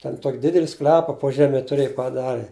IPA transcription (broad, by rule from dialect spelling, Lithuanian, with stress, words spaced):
tʲɛn ˈtoːkʲ ˈdʲɪdʲɛlʲɪ ˈsklʲæːpɐ poː ˈʒʲæːmʲɛ tʊˈrʲeːj pɐˈdɑːrʲɪ